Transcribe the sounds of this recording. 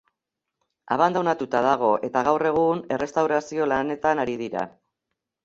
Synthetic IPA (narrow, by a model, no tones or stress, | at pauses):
aβand̪awnat̪ut̪að̞aɣ̞o̞ʔe̞t̪aɣ̞awre̞ɣ̞une̞rʔe̞st̪awɾasio̞lane̞t̪anaɾiðiɾa̰